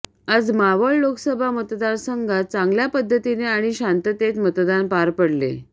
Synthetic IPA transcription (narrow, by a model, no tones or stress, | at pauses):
əd͡zmaʋəɭloksəbʱamət̪d̪ansəŋɡʱat͡sãŋɡljapəd̪ʱːət̪ineaɽ̃iɕant̪ət̪et̪mət̪d̪anpaɾpəɽlḛ